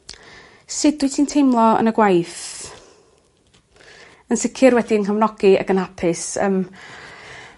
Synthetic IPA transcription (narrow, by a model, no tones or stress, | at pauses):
sɨd̚dwɨtʰiːntʰejmlˠɔə̰nəɡwajθ | ənsɪkʰɪrwɛdiənkʰəvnɔɡ̥ia̰ɡənhapʰɪsə̰m